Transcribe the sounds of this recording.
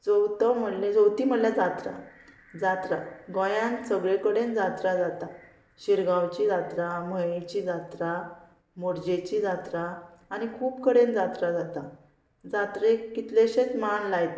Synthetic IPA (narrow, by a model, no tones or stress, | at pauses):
d͡zɔwt̪əm̤əled͡zowt̪iːm̤əlljad͡zat̪ɾa̰ | d͡zat̪ɾaɡɔ̃jãnsəɡɭekəɽẽnd͡zat̪ɾad͡zat̪a | ɕiɾɡawt͡ɕid͡zat̪ɾaməjet͡ɕid͡zat̪ɾa | moɾd͡ʑet͡ɕid͡zat̪ɾaːñikʰuːpkəɽẽnd͡zat̪ɾad͡zat̪a | d͡zat̪ɾekit̪leɕẽt͡smanlajt̪